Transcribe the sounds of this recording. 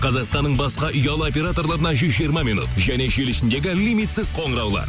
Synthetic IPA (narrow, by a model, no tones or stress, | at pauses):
qʰɑzɑqst̪ɑnːəɴbɑsqɑʔʏjɑlˠəo̞p̬ʲe̞ɾat̪o̞ɾlˠɑɾənɑʒʏzʒijəɾmɑminṵt̪ʒæne̞ʒelɪʃɪnd̪e̞ɡʲɪlʲimit̪sɪz̥qʰo̞ɴəɾɑwlˠɑ̰ɾ